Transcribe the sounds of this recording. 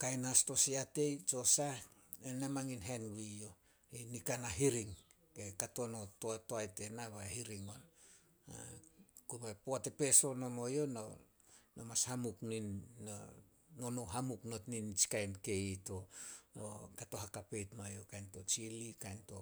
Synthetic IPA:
kajnasto̞siate̞jt͡ʃo̞sa | enemaŋinɦenɡijo | inikanaɦiɾiŋ | kekato̞no̞toatoajte̞naβahiɾiŋo̞n | a̰kuβapoate̞pe̞so̞no̞mo̞jo̞no | nomashamukninːo | nonoɦamukno̞tnint͡ʃi̥kajnke̞ito̞o̰kato̞ɦakape̞jtmojo̞kajnto̞t͡ʃilikajnto̞

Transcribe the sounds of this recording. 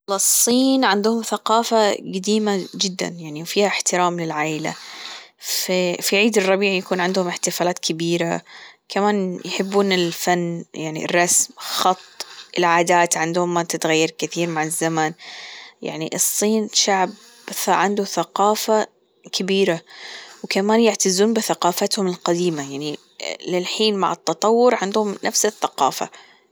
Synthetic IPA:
lɑsˤːiːnʕɪnd̪ʊhʊmθaqɑːfaɡad̪iːmad͡ʒɪd̪ːa̰njaʕniwfiːhaɪħt̪ɪɾaːmlɪlʕaːʔɪla̰ | fifiʕiːd̪ɪrˤːɑbiːʕjakuːnʕɪnd̪hʊmɪħt̪ɪfaːlaːt̪kʰɪbiːɾakamaːnjħɪbːuːnɪlfanːjaʕnḭrˤːɑsmxɑt̪ˤʔɪlʕaːd̪aːt̪ʕɪnd̪hʊmːat̪ɪt̪ɣajːɑɾkɪθiːɾmaʕɪzːamanja̰ʕnḭʔɨsˤːiːnʃaʕb | θʕɪnd̪ʊθaqɑːfa | kɪbiːɾawkamaːnjɪʕt̪azːuːnbɪθaqɑːfat̪hʊmɪlqad̪iːmajaʕni | lɪlħiːnma̰ʕɪt̪ːɑt̪ˤɑwːʊɾʕɪnd̪hʊmnʔafsɪθːaqɑ̰ːfa̰

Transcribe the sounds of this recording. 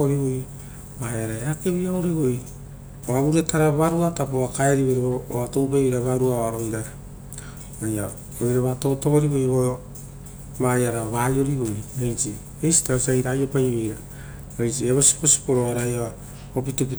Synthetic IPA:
oɾiβoj | βajaɾaeake̞βiaoɾiɡoj | oaβuɾetaɾaβaɾuatapoβakaeɾiβeɾiβoβatowpajβeɾaβaɾuaoaɾoidaɾa | βaja | ojɾaβato̞to̞βoɾiβojβoo | βajaɾaβajo̞ɾiɡojejt͡ʃi | ejsi̥tasajiɾajopajβejɾa | ajt͡ʃieβo̞si̥po̞si̥poɾoeɾaja | opituki

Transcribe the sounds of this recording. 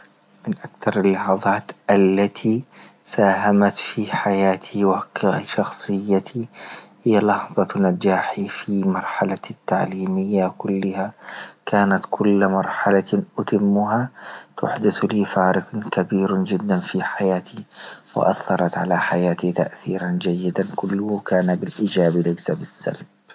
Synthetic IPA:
mɪnʔakθɑɾˤɪlːɑħɑðˤɑːt̪ʔalːat̪ʰisaːɦamat̪fiħajaːt̪ʰiwaʃɑxsˤɨjːat̪ʰihɪjːalɑħðˤɑnad͡ʒaːħifimɑɾˤħalat̪ːaʕliːmɪjːakʊlːɪhakaːnat̪kʰʊlːmɑɾˤħalaʔʊt̪ɪmːʊɦat̪ʊ̰ħd̪ɪθliːfaːɾɪqkabiːɾd͡ʒɪd̪ːanfiħajaːt̪ʰiwɪ̰ʔa̰θːɑɾˤɑt̪ʕa̰laħajaːt̪it̪a̰ʔθiːɾand͡ʒajːɪd̪ankʊlːʊhkaːnabɪlʔiːd͡ʒaːblɪɡsabɪsːa̰lb

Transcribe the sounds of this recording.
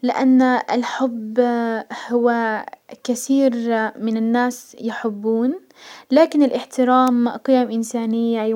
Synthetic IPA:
lɪʔanːɪlħʊbːhʊwakaθiːɾmɪnanːaːsjɪħɪbːuːn | laːkɪnɪlʔɪħt̪ɪɾaːmqɪjamʔɪnsaːnɪjːa

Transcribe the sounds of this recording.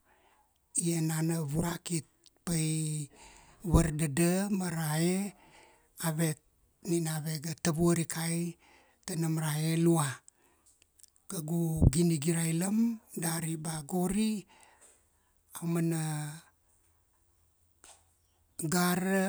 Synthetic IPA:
ienanaβuɾakit̚paj | βəɾdadəmaɾae | aβe | ninaβeɡatəβuəɾikaj | tanamɾaelua | ɡ̥aɡuɡiniɡiɾajləmdaɾibaɡoɾi | awmana | ɡaɾə

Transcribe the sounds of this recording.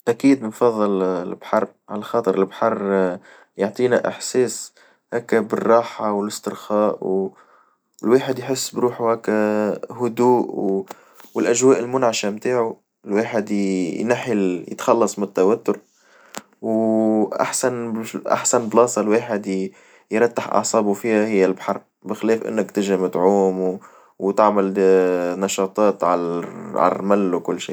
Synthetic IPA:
ʔakiːd̪nfɑðˤːɨlɪlbħɑrˤ | ʕalaxɑːt̪ˤɨɾɪlbħɑrˤː | jʊʕt̪ˤiːnaʔɪ̰ħseːs | haːkːabɪrˤːɑːħawɪlɪst̪ɪɾxɑːʔw | ɪlweːħɪd̪jħɪsːbɾuːħuhaːkːahʊd̪uːʔw | wɪlʔaʒwaːʔɪlmʊnʕaʃamt̪aːʕu | ɪlweːħɪd̪jnaħɪljɪ̰t̪xɑlːɑsˤmɪnɪt̪ːawat̪ːʊɾ | wʔa̰ħsanʔa̰ħsanblɑːsˤɑlweːħɪd̪ | jɾˤɑt̪ːɪħʔɑ̰ʕsˤɑːbufihahɪjːalbħɑɾˤ | bɪxɪleːfʔɪ̰nːɪkt̪ɪʒɪmʊd̪ʕuːm | wt̪ɪʕmalnɑʃɑːt̪ˤɑːt̪ʕalʕa̰l̰ɾmalːwkʊlːʃḭː

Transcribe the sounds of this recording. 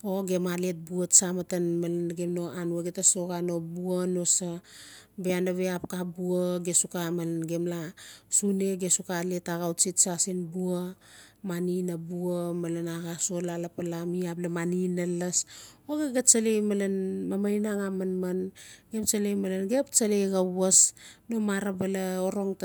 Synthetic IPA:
o̞ɡe̞malet̚buatsamatanmalanɡe̞mno̞anuaɡetaso̞ɡano̞buano̞sabeanaβeapkabuaɡesukamalnɡe̞mlasune̞ɡe̞sukaletaɡawt͡ʃitsasinbua | maninabuamalanaɡasolalapalamiaplamaninalasoɡeɡat͡ʃalejmalanmamajnaŋamanmanɡe̞pt͡ʃalejmalanɡept͡ʃalejɡawasno̞maɾabalaoɾo̞ŋt

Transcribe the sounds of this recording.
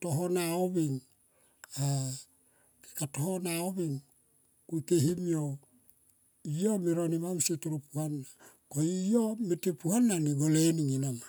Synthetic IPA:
toɦonaoβiŋ | a | ke̥katohonaoβiŋ | kuikeɦimio | iomiɾonimamsituɾupuhanːa | koiomitipuhanːaniɡoleniŋenama

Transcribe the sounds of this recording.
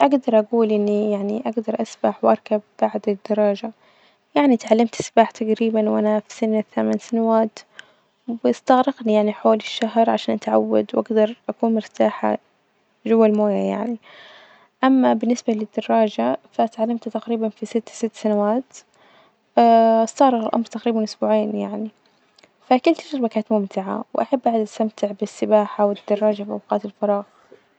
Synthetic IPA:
ʔaɡd̪ɑɾˤʔaɡuːlʔɪnːijaʕniʔaɡd̪ɑɾˤʔasbaħwʔɑɾˤkabːaʕd̪ɪd̪ːɑɾˤːɑːd͡ʒa | jaʕnit̪ʕalːamt̪ʔasbaːħt̪aqɾiːbanwʔanafisɪnɪθamansanawaːt̪ | wɪst̪aɣɾɪɡnijaʕniħoːlɪʃːaɦɾˤʕaʃaːnʔat̪ʕa̰wːa̰d̪wʔaɡd̪ɑɾˤʔakuːnmʊɾt̪aːħa̰ | ʒʊwːalmoːjaja̰ʕni | ʔamːabɪnːɪsbalɪd̪ːɑrˤːɑːd͡ʒafat̪ʕalːamt̪at̪aqɾiːbanfisɪt̪ːsɪt̪ːsanawaːt̪ | aast̪ɑɣɾɪqɪlʔa̰mɾˤt̪aqɾiːbamnʔʊsbuːʕeːnjaʕni | fakɪlt̪ɪʃɪɾˤbakaːt̪mʊmt̪ɪʕa̰wʔaħabːʔaʕd̪ast̪amt̪ɪʕbɪsːɪbaːħawɪd̪ːɑrˤːɑːd͡ʒafiʔawqɑːt̪ɪlfɑɾˤɑːɣ

